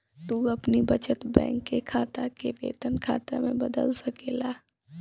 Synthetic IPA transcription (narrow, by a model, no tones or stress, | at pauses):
t̪uːɐpnibɐt͡ʃət̪bɛ̰̃ːŋkːekʰaːt̪akebḛːt̪ənkʰa̰ːt̪emẽbɐd̪ə̰lsɐkeːlaː